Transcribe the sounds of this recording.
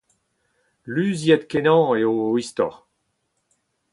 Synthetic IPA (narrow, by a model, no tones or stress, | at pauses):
lyzjɛd̪kenɑ̃eoist̪ɔ̰ʁ